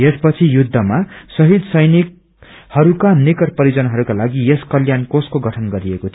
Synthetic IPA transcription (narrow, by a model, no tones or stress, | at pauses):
espʌt͡sʰijud̪ʱːʌmasʌɦid̪sʌjnik̚ | hʌɾukanikʌrpʌɾid͡zʌnaɦʌɾukalaɡieskʌljankoskoɡʌʈʰʌnɡʌɾiekot̪ʰi